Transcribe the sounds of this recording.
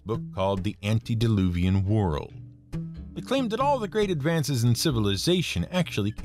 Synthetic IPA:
b̥ʊkʰːɔlˠd̪̚ðiʔæ̃ntidɨlʉviɨ̃nwɔ̰˞lˠd̥ | ɨt̚kʰl̥ẽɪ̃mðɨɾɔlˠðɨɡɹeɪɾɨdvæ̃nsɨz̃n̩sɪvəl̩ˠɨzeɪʃɨ̃næk̚t͡ʃul̩ˠi

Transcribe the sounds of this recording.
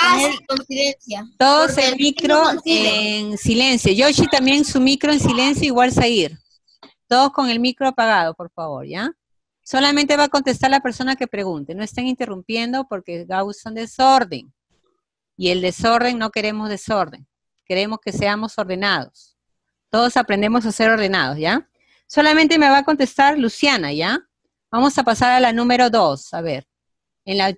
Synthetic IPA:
koniðensjat̪o̞ðosenmikɾoensile̞nsjoʝoʃit̪ambje̞ŋsumikɾo̞ensile̞nsjoiɣwalsaiɾ | t̪o̞ð̞o̞sko̞ŋe̞lmikɾopaɣað̞o̞po̞ɾfaβo̞̰ɾʝa | so̞lamẽ̞nt̪e̞βaːkont̪e̞st̪aɾalape̞ɾso̞nake̞pɾe̞ɣunt̪e̞no̞est̪eŋint̪erumpje̞nd̪o̞po̞ɾke̞ɣawsond̪e̞so̞ɾðḛŋ | ie̞ld̪e̞so̞ɾð̞e̞ŋno̞ke̞ɾe̞mo̞zðe̞so̞ɾðe̞̰ŋ | ke̞ɾe̞mo̞ske̞se̞amo̞so̞ɾð̞e̞nað̞o̞̰s | t̪o̞ðo̞sapɾe̞nd̪e̞mo̞s̬ase̞ɾo̞ɾð̞e̞na̰ð̞ozʝa | so̞lamẽ̞nt̪eme̞βako̞nt̪e̞st̪aɾlusjanaʝa | bamo̞sapasaɾalanũme̞ɾo̞ðo̞saβe̞ɾ | enla

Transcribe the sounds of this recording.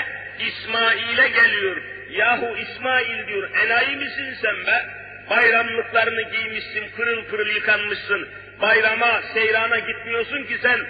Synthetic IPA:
ismaːilʲɛɟelʲijoɾ | jaːɦuismaːilʲd̪ijo̞ɾɛnajimisinsɛmbɛ | bajɾamlˠɯklˠaɾɯnɯɟijmiʃsinkʰɯɾɯlˠpʰɯɾɯlˠjɯkʰanmɯʃsɯn | bajɾamasejɾaːnaɟit̪̚mijo̞ɾsuncisæn

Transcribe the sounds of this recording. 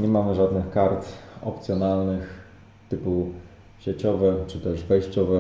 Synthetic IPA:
ɲɛmamɘʐad̪nɘxkaɾt̪ɔ̰p̚t̪sʲjɔnalnɘx | t̪ɘpu | ɕet͡ɕɔvɛt͡ʂɘt̪ɛʂvɛjɕt͡ɕɔvɛ

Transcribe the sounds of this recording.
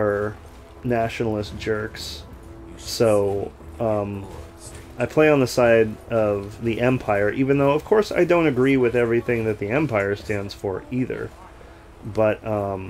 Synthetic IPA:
ə˞ | næʃnl̩ˠəsd̥ʒ̥ɜ˞ksː | oʊ | ʌ̃m | aɪpʰl̥eɪə̃nðəsaɪdʔʌvðiʔɛ̃mpʰaɪə˞ʔivɨ̃nðoʊʌv̥kʰɔɹsa̰ɪdõʊ̃ñɨɡɹiwɨðɛvɹiθɪ̃ŋðɨt̪̚ðiɛ̃mpʰaɪə˞stæ̃ndz̥fə˞iðə̰˞ | bʌt̚ʌ̃m

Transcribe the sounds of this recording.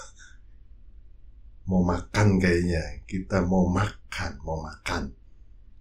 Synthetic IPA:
momakankajaɲakit̪amomakʰanmomakan

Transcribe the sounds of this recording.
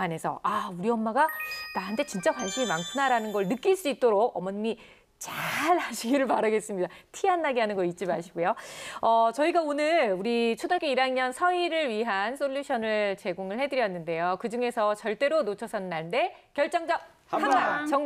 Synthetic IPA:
ane̞sʰʌ̰ʔauɾiʌmːaɡanaɦantʰe̞t͡ɕint͡ɕ͈akwanɕʰiimaŋkʰɯnaɾanɯnɡʌɭnɯk͈iɭs͈uit̚t͈oɾok̚ʌmʌnɲi | t͡ɕaɭaɕʰiɡiɾɯɭpaɾaɡe̞s͈ɯmɲidatʰianːaɡeɦanɯnɡʌit̚t͡ɕ͈imaɕʰiɡojoʌt͡ɕʌiɡaonɯɭuɾit͡ɕʰodaɭk͈eiɾaŋɲʌnsʰʌiɾɯɭɥiɦans͈ʰoʎːuɕʰʌnɯɭt͡ɕe̞ɡoŋɯɭhe̞dɯɾjʌnːɯnde̞jokɯd͡ʑuŋe̞sʰʌt͡ɕʌɭt͈e̞ɾonot͡ɕʰʌsʰʌnɯnːaɭnde̞kjʌɭt͡ɕ͈ʌŋd͡ʑʌ | aat͡ɕʌŋ

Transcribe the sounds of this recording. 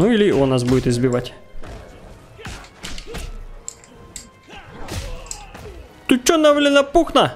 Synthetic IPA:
nuilʲɪɔnːasbudʲɪt̪ɪzbʲɪʋatʲ | t̪ʊt͡ʃːonːɐvlʲɪnɐpuxnɐ

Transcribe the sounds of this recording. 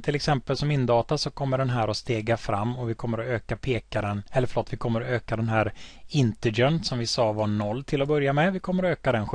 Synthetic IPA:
t̪ʰɪlɛksɛmpəlsɔmɪnːd̪ɑːt̪asɔkʰɔmːəɖɛnɦæːɾɔst̪eːɡafɾa̰mːɔvɪkʰɔmːəɾɔøːkapʰeːkaɾənɛlːəɾfɭoːt̪vɪkʰɔmːəɾɔøːkad̪ɛnɦæːɾɪnt̪ɪɡɛnsɔmvɪsɑːvanɔlːt̪ʰɪlːɔbœɾjamɛvɪkʰɔmːəɾɔøːkad̪ɛnɧ

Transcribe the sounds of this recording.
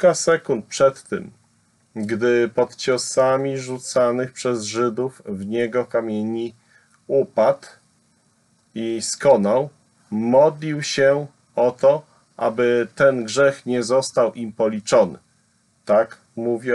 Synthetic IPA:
kasɛkunt̪̚pʂɛt̪ːɘ̰m | ɡd̪ɘpɔt̪t͡ɕɔsamʲiʐut̪sanɘxpʂɛzʐɘd̪ufvɲɛɡɔkamʲjeɲi | upat̪ | iskɔnaw | mɔd̪lʲiwɕɛ | ɔt̪ɔ | ʔa̰bɘt̪ɛnɡʐɛxɲɛzɔst̪awʔimpɔlʲit͡ʂɔnɘ̰ | t̪ak | muvʲjɛ

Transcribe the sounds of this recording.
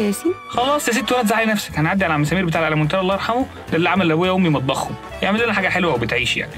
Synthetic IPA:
æsixɑlɑːsˤjæs̬iːd̪̚t̪owælæt̪zaʕlinæfsæ̥kʔænæʕad̪ːiʕaælææmsæmiːɾbet̪aʕlʔalæmont̪æɾˤʔlːɑːʔɑɾħɑmo | lʔlːiʕamælːʔæbojæʔomːimɑt̪̚ˤbɑxhom | jeʕmelʔenæħaːɡæħelwæwebet̪ʕiːʃja̰ʕni

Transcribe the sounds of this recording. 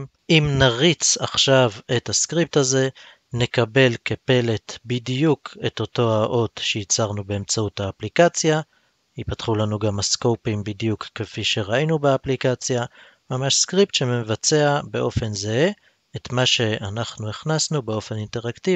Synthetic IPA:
ʔimnaʁit͡saχʃave̞thaskʁip̚taze̞ | ne̞kabe̞lkepe̞le̞t̪bidjukʰe̞t̪o̞to̞aʔo̞t̪ʃeit͡saʁnube̞ːmt͡sautaːplikat͡sja | hipatχulanuɡamasko̞wpimbidjukːefiʃe̞ʁainubeaplikat͡sja | mamaʃskʁip̚t̪ʃe̞mevat͡se̞abe̞ʔo̞fe̞nze | etmaʃe̞ʔanaχnueχnasnube̞o̞fe̞ninte̞ʁakti

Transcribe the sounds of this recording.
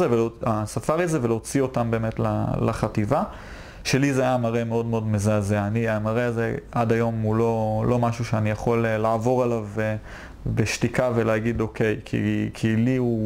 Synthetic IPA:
zeveoasafaʁizevelot͡sio̞tambeːmetla̰la̰χativa | ʃe̞lizeajamaʁeme̞o̞dmeo̞dmezaːzeaniamaʁeazeadajo̞mulo̞lo̞maʃuʃeanijaχo̞lelaːvo̞ʁalav | beʃtikaveleaɡido̞kʰe̞jkʰḭkʰiliu

